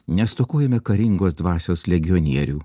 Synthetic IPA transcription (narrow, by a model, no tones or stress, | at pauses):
nʲɛst̪oːkoːjɛmʲɛkɐɾʲɪŋɡoːsd̪ʋɑːsʲoːslʲɛɡʲɪjɔnʲiɛɾʲuː